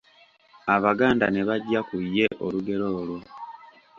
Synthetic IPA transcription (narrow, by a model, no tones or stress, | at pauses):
aβaɡaːnda̰ne̞βaɟːakujːe̞ʔoluɡe̞ɾo̞ːlwo̞